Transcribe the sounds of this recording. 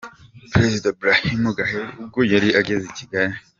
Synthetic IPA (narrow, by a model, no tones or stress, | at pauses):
pɾezidabɾahimuɡaɦeɾub̚ɡojaɾiʔaɡeziciɡaɾi